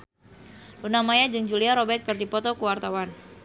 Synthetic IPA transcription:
lunamajad͡ʒɨŋd͡ʒuliaɾɔbɛt̪̚kɨrdipɔt̪ɔkuwart̪awan

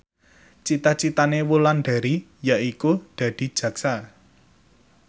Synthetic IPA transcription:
t͡ʃit̪at͡ʃit̪anewulanɖ̥a̤ɾi | jaʔikud̪̥a̤d̪̥i̤̥ʒ̥ä̤ksa

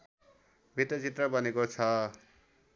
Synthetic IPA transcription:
bʱit̪ːʌt͡sit̪rʌbʌnekot͡sʰʌ

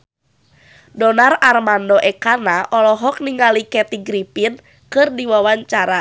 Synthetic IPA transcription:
dɔnararmandɔʔɛkanaʔɔlɔɦɔk̚niŋalikɛt̪iɡɾipin | kɨrdiwawaɲt͡ʃaɾa

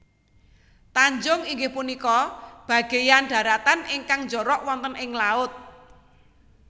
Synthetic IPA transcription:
t̪aɲd͡ʒʊŋiŋɡɪhpunikɔb̥ä̤ɡ̥e̤janɖ̥a̤ɾat̪anɪŋkaŋɲd͡ʒɔɾɔʔwɔnt̪ənɪŋlaʊt̪̚

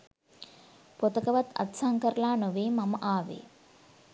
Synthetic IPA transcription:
pot̪ɐkəʋat̪ɐ̰t̪saŋkəɾəlaːnoʋeːmɐməʔaːʋḛː

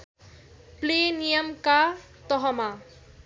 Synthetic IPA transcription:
plenijʌmka | t̪ɔɦɔma

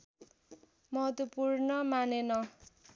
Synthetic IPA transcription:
mʌɦʌt̪upurnʌmanenʌ

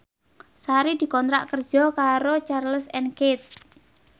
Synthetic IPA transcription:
saɾid̪̥i̤kɔnt̪ɾa̰ʔkər̥d͡ʒ̥ɔkaɾot͡ʃarləsɛnket̪̚

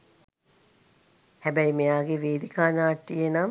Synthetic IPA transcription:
hæbæjimejaːɡeʋeːd̪ikaːnaːʈːijenam

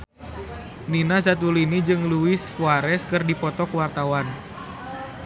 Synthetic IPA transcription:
ninas̬at̪̬ulinid͡ʒɨŋluɪsfuwaɾɛskɨrdipɔt̪ɔkwart̪awan

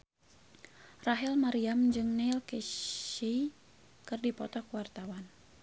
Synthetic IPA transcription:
raɦɛlmaɾiamd͡ʒɨŋnɛlkei | kɨrdipɔ̰t̪ɔkəwart̪awan

